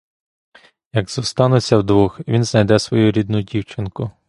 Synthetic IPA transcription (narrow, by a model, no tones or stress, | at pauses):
jɐɡzɔst̪ɑnʊt͡sʲːɐwd̪ʋuxʋʲinznɐjd̪ɛsʋɔjuɾʲid̪nʊdʲiwt͡ʃɪnkʊ